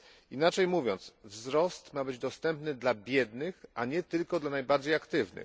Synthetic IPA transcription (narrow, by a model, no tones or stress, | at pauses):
inat͡ʂɛjmuvʲjɔnt̪svzɾɔst̪mabɘd͡ʑd̪ɔst̪ɛmpnɘd̪labʲjɛd̪nɘxʔaɲɛt̪ɘlkɔd̪lanajbaɾd͡ʑejakt̪ɘvnɘ̰